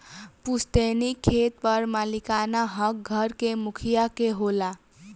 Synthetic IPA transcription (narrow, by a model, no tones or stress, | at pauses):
pust̪enikʰːet̪̚pʌɾmalikanaɦʌk̚ɡʱʌɾkemukʰijakeɦola